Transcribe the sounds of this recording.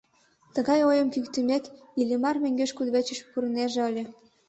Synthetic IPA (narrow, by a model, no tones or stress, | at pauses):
t̪əɣɑjojəmkykt̪əmek̪ | ilʲemɑrmeŋɡeʃkud̪βet͡ɕə̆ʃpuɾəneʒeəlʲe